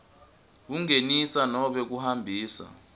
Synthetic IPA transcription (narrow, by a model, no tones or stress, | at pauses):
kuŋenisanɔɓɛk̬uhambʱiːsa̰